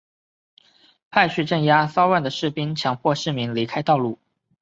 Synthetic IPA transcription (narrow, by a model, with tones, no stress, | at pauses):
pʰa˥˧ɪɕy˥˧ʈ͡ʂə˥˩ŋja˥sɑ˥ʊwa˥˩nd̪ə˩ʂɻ̩˥˩pi˥nt͡ɕʰjɑ˧˥ŋpʰwɔ˥˧ʂɻ̩˥˩mi˧˥ŋli˧˥kʰa˥ɪt̪ɑ˥˧ʊlu˥˩